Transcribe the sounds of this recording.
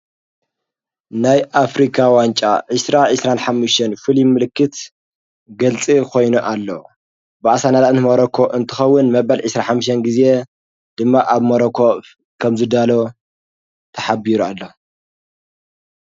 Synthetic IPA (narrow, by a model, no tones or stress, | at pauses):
najʔafɾikʰawant͡ʃʼa̰ʕɨsɾaʕɨsɾanħamːuʃt̪ʰɐnfɨlimɨlɨkːɨt̪ | ɡɐlt͡sʼikʰo̞jnuʔalːo̰ | bɨʔasanalaɨnmɐɾɐkʰoʔɨnt̪ʰɨxɐwːʊnmɐβɐlʕɨsɾaħamːɨʃt̪ɐnɡize̞ | d̪̥ɨmːaʔaβmɐɾɐkʰo | kʰɐmzɨd̪alo | t̪ʰɐħabiɾualːo